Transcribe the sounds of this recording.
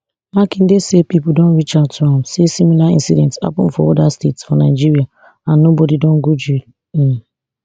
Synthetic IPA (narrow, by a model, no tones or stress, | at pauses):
makin̩desepipʊdõn̩ɾit͡ʃadtãmsesimilaḭ̃nsidɛntsa̰pʊ̰m̩fɔ̰odastetsfɔnaɪd͡ʒiɾia | anobodidɔ̃ŋ̩ɡud͡ʒil̩